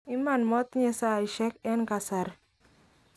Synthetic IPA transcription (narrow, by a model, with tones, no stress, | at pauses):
ɪ˦ma˨nmɔ˦t̪ɲɛ˨sa˦˨i˨ʃɛ˦kɛ˦nka˨sa˨ɾ